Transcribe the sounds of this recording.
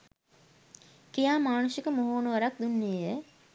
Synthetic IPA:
kijaːmaːnusikəmoɦoːnəʋaɾak̚d̪unːejə

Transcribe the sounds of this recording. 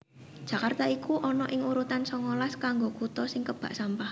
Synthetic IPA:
d̥ʒ̥ä̤kart̪aikuʔɔnɔʔɪŋuɾut̪ansɔŋolaskaŋɡokut̪ɔsɪŋkəb̥a̤̰ʔsampah

